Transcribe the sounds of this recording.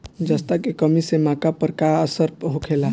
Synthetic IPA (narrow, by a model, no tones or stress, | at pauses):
d͡ʒəst̪akekəmisemãːkapəɾkaəsəɾpɦokʰeːla